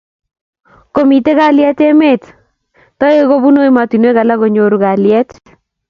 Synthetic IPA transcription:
ko˨mi˨te˦ka˦ljɛ˦te˦me˦˨t | tɔ˦e˦ko˦bu˦no˦i˦ma˨ti˨nwe˦ka˨la˦ko˨ɲo˦ɾu˨ka˨ljɛ˦t

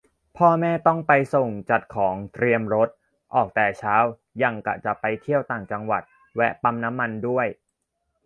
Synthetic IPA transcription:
pʰɔː˥˩mɛː˥˩t̪ɔ˥˩ŋpa˧jso˨˩ŋt͡ɕa˨˩t̪̚kʰɔː˩˦ŋt̪ɾi˧əmɾo˦˥t̪̚ | ʔɔː˨˩k̚t̪ɛː˨˩t͡ɕʰaː˦˥w | ja˧ŋka̰˨˩t͡ɕa˨˩ʔpa˧jt̪ʰi˥˩əwt̪aː˨˩ŋt͡ɕa˧ŋwa̰˨˩t̪̚ | wɛ˦˥ʔpa˧mna˦˥mːa˧ndu˥˩əj

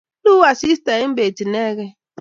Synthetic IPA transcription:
u˦a˨si˦ste˨˦m̩˦be˨ti˨ne˦ɣe˦

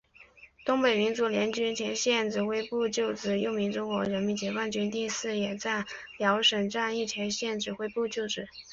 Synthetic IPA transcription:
t̪ʊ˥ŋpe˨˩ɪmi˧˥nt͡su˧˥ljɛ˧˥nt͡ɕy˥nt͡ɕʰjɛ˧˥nɕjɛ˥˧nʈ͡ʂɻ̩˥˩xwe˥ɪpu˥˧t͡ɕjo˥˩ʊʈ͡ʂɻ̩˥˩jo˥˩ʊmi˧˥ŋʈ͡ʂʊ˥ŋkwɔ˧˥ɻə˧˥nmi˧˥nt͡ɕjɛ˧˥kwa˥nt͡ɕy˥nt̪i˥˧sɹ̩˥˩jɛ˨˩t͡sa˥˩ | ljɑ˧˥ʊʂə˨˩ŋʈ͡ʂa˥˧ni˥˩t͡ɕ̪ʰjɛ˧˥nɕjɛ˥˩nʈ͡ʂɻ̩˥˩xwe˥ɪpu˥˧t͡ɕjo˥˩ʊʈ͡ʂɻ̩˨˩˦

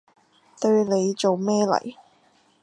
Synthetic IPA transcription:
t̪ɵ˧ɥle˨˧jt͡so˨wmɛː˥lɐ̰˨˩j

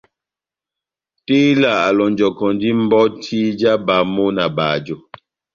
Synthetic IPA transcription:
tiː˦la˦˨a˨lɔ˨nd͡ʒɔ˨kɔ˨n˦di˦m̩˦bɔ˦tʰi˦d͡ʒa˦ba˨˦mo˦na˨baː˨d͡ʒo˨

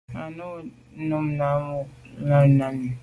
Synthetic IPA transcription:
a˨no˦˨˦ | nu˦mna˨˦mʊ˦la˦˨na˦ni˨

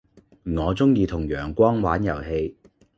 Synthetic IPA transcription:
ŋɔː˨˧t͡sʊ˥ŋjiː˧t̪ʰʊ˨˩ŋjœː˨˩ŋkʷɔː˥ŋwaː˨˥njɐ˨˩whe˧j

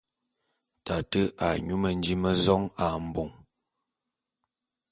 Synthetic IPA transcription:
ta˨tə˦ʔa˨ɲu˦mə˨n̩˦d͡ʒi˦mə˦zɔ˦ŋa˨m̩˨bo˨ŋ

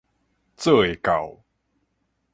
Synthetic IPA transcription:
t͡sə˥˧˨e˨˩ka˨˩ʊw

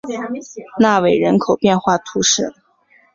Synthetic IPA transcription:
na˥˩we˨˩ɪɻə˧˥nkʰo˨˩ʊpjɛ˥˧nxwa˥˩t̪ʰu˧˥ʂɻ̩˥˩

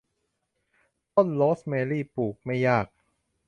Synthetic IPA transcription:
t̪o˥˩nloː˦˥smeː˧liː˥˩puː˨˩k̚ma˥˩jaː˥˩k̚

